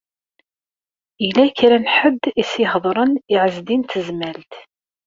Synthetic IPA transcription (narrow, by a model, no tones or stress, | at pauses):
ilæçɾænħəd̪ːisiɦðˤɾˤəniʕəzd̪int̪əzmælt̪